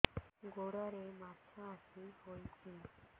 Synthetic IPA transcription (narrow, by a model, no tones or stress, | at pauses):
ɡoɽaɾematʰaːsihojt͡ʃʰi